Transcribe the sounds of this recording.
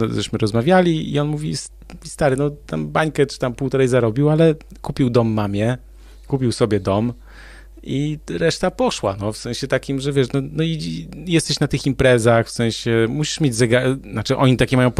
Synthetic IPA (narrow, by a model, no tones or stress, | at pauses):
zɛɕmɘɾɔzmavʲjalʲiḭɔnmuvʲis | st̪aɾɘnɔt̪ambaɲkɛt͡ʂɨ̥t̪ampuwt̪ɔɾɛjzaɾɔbʲiwalɛkupʲiwd̪ɔmːamʲjɛ | kupʲiwsɔbʲjɛd̪ɔm | iɾɛʂt̪apɔʂwa̰nɔfsɛ̃ɕɛt̪akʲimʐɛvʲjɛʂnɔnɔijɛst̪ɛɕnat̪ɘximpɾɛzaxfsɛ̃ɕɛmuɕi̥ʂmʲjed͡ʑzɛɡanat͡ʂɘʔɔ̰ɲit̪akʲɛmajɔ̃w̃p